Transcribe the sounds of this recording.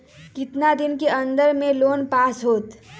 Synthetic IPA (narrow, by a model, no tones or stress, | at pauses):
kɪt̪nad̪ɪnkeɐ̃nd̪əɾmẽloːnpaːsɦoːt̪